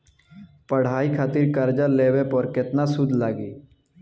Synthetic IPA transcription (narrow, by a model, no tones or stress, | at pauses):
pəɽ̤aːikʰaːt̪iɾkəɾd͡ʒaleːwepɔɾkɪt̪nasʊd̪ʱlaːɡiː